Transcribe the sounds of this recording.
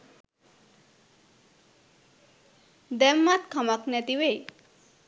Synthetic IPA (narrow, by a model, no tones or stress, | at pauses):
d̪ɛmːat̪kʰʌmaknɛt̪iwej